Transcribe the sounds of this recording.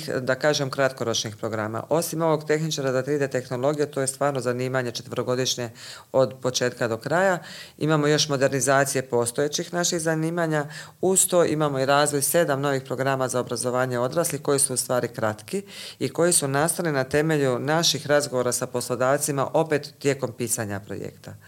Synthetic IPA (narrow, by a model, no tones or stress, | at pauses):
xd̪akaːʒe̞mkɾat̪ko̞ɾo̞t͡ʃnixpɾo̞ɡɾama̰ʔo̞simo̞ʋo̞ɡt̪e̞xnit͡ʃaɾazat̪ɾiːd̪e̞t̪e̞xno̞lˠo̞ɡijet̪oːjest̪ʋaːɾno̞zaniːmaɲe̞t͡ʃe̞̥t̪ʋəɾo̞ɡo̞d̪iʃɲe̞o̞d̪po̞t͡ʃe̞ːt̪kad̪o̞kɾajaḭmamo̞jo̞ʃmo̞d̪e̞ɾnizaːt̪sije̞po̞ːst̪o̞jet͡ɕixnaʃixzaniːmaɲaust̪ojʔimamo̞iɾaːzʋo̞jse̞d̪amno̞ʋixpɾo̞ɡɾamazaobɾazo̞ʋaːɲe̞o̞d̪ɾaːsliko̞jisuust̪ʋaːɾikɾat̪kiiko̞jisunast̪alinat̪e̞me̞ʎunaʃixɾazɡo̞ʋoɾasapo̞slˠo̞d̪aːʋt̪sima̰ʔo̞pe̞t̪ːje̞ːko̞mpiːsaɲapɾo̰jḛkt̪a